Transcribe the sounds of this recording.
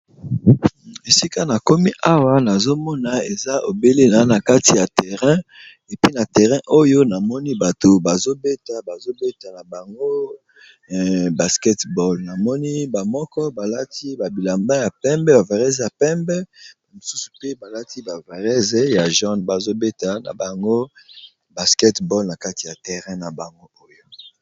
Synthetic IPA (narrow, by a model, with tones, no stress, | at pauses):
e˨si˦ka˦na˨ko˦mi˦ʔa˦wa˦na˨zo˦mɔ˦na˨e˨za˦ʔo˨be˦le˦na˨˦na˨ka˦ti˨ja˨tɛ˨ʁɛ̃˦ | e˨pi˦na˨tɛ˨ʁɛ̃˦ʔo˦jo˦na˨mɔ˦ni˦ba˨to˨ba˨zo˦be˦ta˨ba˨zo˦be˦ta˨na˨ba˨ŋɡo˦˨ | ba˨skɛ˦tbɔ˨lna˨mɔ˦ni˦ba˨mɔ˦kɔ˦ba˨la˦ti˦ba˨bi˨la˨mba˦ja˨pɛ˦mbɛ˦ba˨va˨ʁɛ˦zja˨pɛ˦mbɛ˦˨ | mo˨su˦su̥˨pe˦ba˨la˦ti˦ba˨va˨ʁɛ˦ze˨ja˨ʒɔ˦nba˨zo˦be˦ta˨na̰˨ba˨ŋɡo˦ | ba˨skɛ˦tbɔ˦lna˨ka˦ti˨ja˨tɛ˨ʁɛ̃˦na˨ba˨ŋɡo˦o˦jo˦